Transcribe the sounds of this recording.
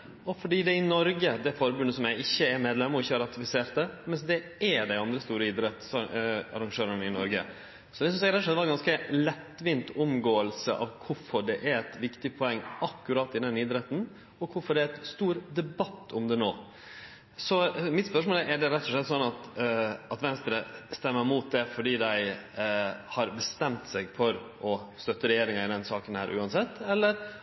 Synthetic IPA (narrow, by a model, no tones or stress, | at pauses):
ɔfɔɖiːd̪ɛɪnɔɾɡəd̪ɛfɔɾbʉnːəsɔmjæɪɪçːəɛɾmeːd̪lɛmːəɾɔɪçːəhɑɾɑt̪ɪfɪseːɾt̪əmɛnsd̪ɛɛɖæɪɑnd̪ɾəst̪uːɾəɪd̪ɾɛt̪sɑ̰ɾɑŋʂøːɾəɳəɪnɔ̰ɾɡə̰ | sɔd̪ɛs̬ɔmsæɪɾɛt̪ːɔʂɛt̪ːʋɑɾɡɑnskəlɛt̪ːʋɪːnt̪ʰʊmɡoːəlsə̰ʔɑ̰ʋkʰʊfɔɖɛʔæɾɛt̪ʋɪkt̪ɪpʰɔɛŋːɑkːʉɾɑːt̪ːɪd̪ɛnɪd̪ɾɛt̪ːn̩ | ɔkʰʊfɔɖɛæɛt̪st̪uːɾd̪ɛbɑt̪ːʊmd̪ɛnoː | sɔmɪt̪spœʂmoːlʔɛɖɛɾɛt̪ːɔʂlɛt̪ːsɔnːɑt̪ɑt̪ʋɛnst̪ɾəst̪ɛmːəɾmuːt̪̚d̪ɛfɔɖiːd̪æɪ | hɑɾbəst̪ɛmt̪sɛɪɡfɔɾʔɔst̪œt̪ːəɾɛjeːɾɪŋɑɪd̪ɛnsɑːkənhæ̰ːɾʔʉ̰ːɑnsɛt̪ːɛlːəɾ